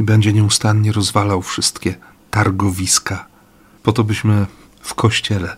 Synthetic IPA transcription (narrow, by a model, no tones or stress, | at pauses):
ibɛɲd͡ʑɛɲɛust̪anɲɛɾɔzvalawfʂɘst̪kʲɛ | t̪aɾɡɔvʲiska | pɔt̪ɔbɘɕmɘ | fkʰɔɕt͡ɕɛlɛ